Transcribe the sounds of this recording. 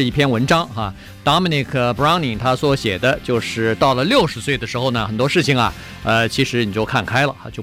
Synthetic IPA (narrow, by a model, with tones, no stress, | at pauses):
ɻ̩˥˧i˥˩pʰjɛ˥nwə˧˥nʈ͡ʂɑ˥ŋxa˥˧ | t̪ɑ˥mi˥˧ni˥˧˩kʰə˥˩pɹɑ˥ŋni˨˩ŋt̪ʰa˥swɔ˧˥ɕjɛ̰˨˩d̪ə˦t͡ɕjo˥˧ʊʂɻ̩˥˩˧t̪ɑ˥˩ʊlə˩ljo˥˩ʊʂɻ̩˧˥swe˥˩ɪd̪ə˩ʂɻ̩˧˥xo˧ʊnə˩xə˨˩nt̪wɔ˥ʂɻ̩˥˩t͡ɕʰi˩ŋɐ̰˩ | ə˧t͡ɕʰi˧˥ʂɻ̩˧˥ni˨˩t͡ɕjo˥˧ʊkʰa˥˩nkʰa˥ɪlə̰˨a̰˥˧t͡ɕjo˥˧˩